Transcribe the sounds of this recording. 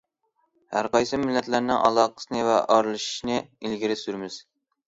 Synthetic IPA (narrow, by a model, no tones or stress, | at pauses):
hæ̰ɾqʰɑjsɨmɪlːɛt̪læɾnɪŋʔɑ̰lˠɑqʰə̥sɨnɨvɛʔɑɾlˠɨʃi̥ʃnɨilɡʲiɾɪsyɾmɪz̥